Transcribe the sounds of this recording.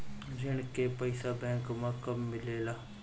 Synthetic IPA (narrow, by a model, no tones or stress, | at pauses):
d͡ʒɪɳkepəɪsaːbɛ̃ːŋkmãːkəmːɪleːlaː